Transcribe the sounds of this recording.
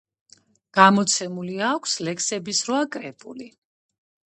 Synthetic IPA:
ɡ̥amɔt̪sʰɛmuliakʷʰslɛksɛbisɾvakʼɾɛpʼuli

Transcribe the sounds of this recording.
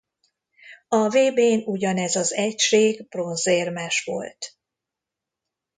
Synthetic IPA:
ɒveːbeːnuɟɒnɛzɒzɛcʃeːɡb̥ro̞nzeːrmɛʃʋo̞̰lt̪

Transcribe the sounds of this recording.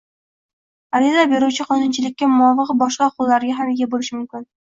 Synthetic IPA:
aɾizabeɾuwt͡ʃʰɪqʰɒnʊnt͡ʃʰɪlɪk̚ʲːamʊɒvɨqbɒʃqɑqʰʊlːaɾɡʲaɦamɪɡʲabolɪʃɪmʊmkʲɪn

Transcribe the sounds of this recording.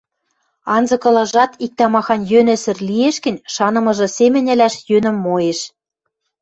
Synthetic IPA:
ɑnzɤ̆kɤ̆lˠɑʒɑt̪ik̚t̪ɑmɑxɑnjønɘ̆sɘ̆rlieʃkɘ̆nʲʃɑnɤ̆mɤ̆ʒɤ̆semʲɘ̆nʲɘ̆læʃjønɘ̆mːojeʃ

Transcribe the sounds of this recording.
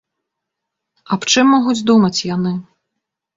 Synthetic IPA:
ɐpt͡ʂɨmːɔɣud͡zʲd̪umɐt͡sʲjanɨ

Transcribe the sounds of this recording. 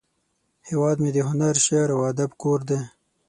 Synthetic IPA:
hewɑd̪med̪əɦʊnaɾʃeɾawad̪abkoɾd̪e

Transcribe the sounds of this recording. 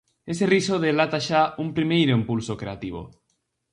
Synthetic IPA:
eserisoðelat̪aʃaumpɾimejɾoimpulsokɾeat̪iβ̞o̰

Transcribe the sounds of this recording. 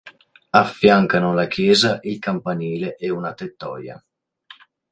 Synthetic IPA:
afːjaŋkanolakjɛːzaʔilkampaniːleʔɛunat̪et̪ːɔ̰ːja̰

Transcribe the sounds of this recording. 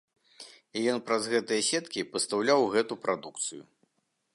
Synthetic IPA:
ijɔnpɾɐzɣɛt̪ɨjɐsʲɛt̪kʲipɐst̪awlʲawɣɛt̪upɾad̪ukt̪sɨjṵ

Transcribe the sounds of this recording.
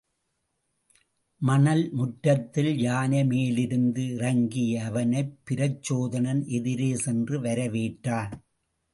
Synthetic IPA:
mɐnɐlmʊʈːɐt̪ːɪljaːnɐmeːlɪɾɯnd̪ɯɪrɐŋɡɪjɐːʋɐnɐɪpːɪɾɐt͡ʃːoːðɐnɐnʔɛðɪɾeːsɛndrɯʋɐɾɐʋeːʈːaːn

